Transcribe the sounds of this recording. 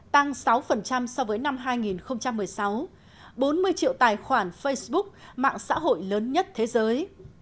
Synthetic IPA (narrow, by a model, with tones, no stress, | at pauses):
t̪a˧ŋsa˨˦wfə˨˩nt͡ɕa˧msɔ˧vəː˨˦jna˧mɦaː˧jŋi˨˩nxə˧wŋ͡mt͡ɕa˧mːɨ˨˩əjsa˨˦w | ɓo˨˦nmɨ˧əjt͡ɕḭ˧˨əwt̪aː˨˩jxwaː˧˩nfə˧jsɓʊ˦˥k̚ma̰ː˧˨ŋsa̰ː˧˥ɦo̰˧˨jləː˨˦nɲə˦˥t̚t̪ʰe˨˦zəː˨˦j